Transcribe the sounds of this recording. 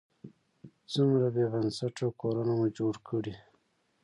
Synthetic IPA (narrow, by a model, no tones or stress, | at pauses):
t͡sumɾabebansaʈawkoɾunamud͡ʒoɽkʰəɽi